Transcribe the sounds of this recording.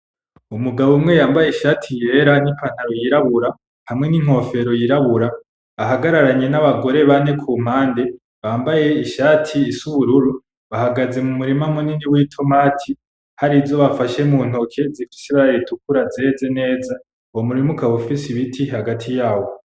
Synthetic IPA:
umuɡaβomŋe̞jaːmbajeiʃaːtʰije̞ɾanipʰan̥haɾojiɾaβuɾa | hamŋe̞niŋ̥o̞fe̞ɾo̞jiɾaβuɾaː | ɦaɡaɾaɾaɲe̞naβaɡo̞ɾe̞βane̞kʰuːm̥aːnde̞ | βaːmbaje̞iʃaːtʰiːsuβuɾuɾu | βahaɡaze̞mumuɾimamuniniwiːtʰo̞maːtʰi | haɾizo̞βafaʃe̞muːn̥okʰezifi̥siβaɾaɾitʰukuɾazezene̞ːza | womuɾimukaβufisiβitʰihaɡatʰijaːwo̞

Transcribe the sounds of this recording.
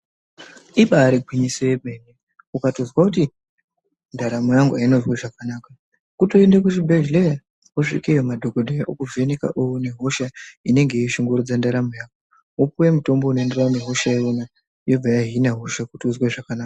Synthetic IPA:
iɓaːɾiɡʱwiɲiseweɓene | ukatozwakuti | ndaɾamojaŋɡuainozweʐakanaːka | kutoendekuʃibʱeʒleja | uʂḭkejomadʱo̞ɡodʱejokuveneka̰ʔone̞ɦo̞ʃaine̞ŋɡe̞iʃoŋɡoɾud͡zandaɾamojaːko | up̚uwe̞muto̞mbounoendeauneɦoʃaeona | jo̞b͡vajaɦinaɦoʃakutiuzweʐakanaka

